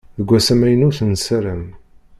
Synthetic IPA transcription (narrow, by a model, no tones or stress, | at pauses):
ðəɡʷːæsæmæjənuθənsæɾəm